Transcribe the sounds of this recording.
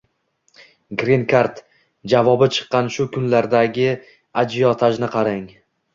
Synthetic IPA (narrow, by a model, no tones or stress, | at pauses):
ɡɾinkʰaɾt̪ | d͡ʒavɒbɪt͡ʃʰɨ̥qːɑnʃʊkʰʊnlaɾd̪aɡʲɪ | ad͡ʒijɒt̪ʰaʒnɪqʰɑɾɪŋ